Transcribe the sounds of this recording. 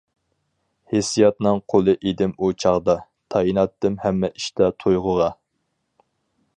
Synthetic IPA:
hesijɑt̪nɨŋqʰolˠɨʔed̪ɪmut͡ʃʰɑʁd̪ɑ | t̪ʰɑjinɑt̪ːɨmhɛmːɛʔi̥ʃt̪ɑt̪ʰojʁʊʁɑ

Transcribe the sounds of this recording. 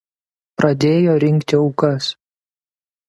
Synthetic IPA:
pɾɐd̪ʲeːjoːɾʲɪŋʲˑkt̪ʲɪɒʊkɐs

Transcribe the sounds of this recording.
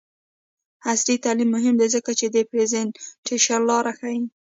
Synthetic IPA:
hasɾit̪alimːʊɦɪmd̪ezəkat͡ʃed̪epɾezenʈʰeʃaɾlɑɾaxai

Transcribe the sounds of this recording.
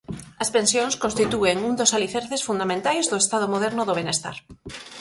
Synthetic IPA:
ɐspẽnsjõŋskõnst̪it̪ueŋuŋd̪osaliθɛɾθesfund̪amẽnt̪ajzðoest̪aðomoðɛɾnʊðoβ̞enest̪a̰ɾ

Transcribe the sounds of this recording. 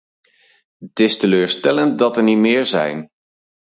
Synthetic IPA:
tɪstəløːɹstɛlənt̚dɑtəɹnimɪːɹzɛ̰jn

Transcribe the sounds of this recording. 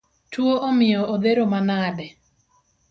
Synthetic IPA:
twoʔomɪjɔʔod̪eɾomanadɛ

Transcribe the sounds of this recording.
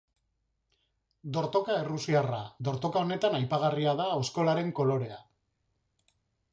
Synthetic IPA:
d̪o̞ɾt̪o̞kaerusiarad̪o̞ɾt̪o̞kao̞ne̞t̪anajpaɣ̞ariaðaesko̞laɾe̞ŋko̞lo̞ɾe̞a

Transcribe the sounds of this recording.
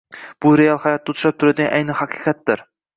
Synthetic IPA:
b̥ʊɾealˠhajɒt̪̚ːaʊt̪ʊ̥ʃap̚t̪ʰʊɾad̪ɪɡʲa̰ʔa̰jnɪhaqʰɨ̥qʰɑt̪d̪ɪɾ

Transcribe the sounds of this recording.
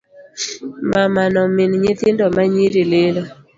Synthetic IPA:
mamanɔmɪnɲet̪ɪndɔmaɲiɾilelo

